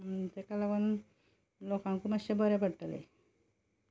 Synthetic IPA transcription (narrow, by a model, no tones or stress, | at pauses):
t̪ekalapən | lokãŋkumaɕebəɾepəɽʈalḛ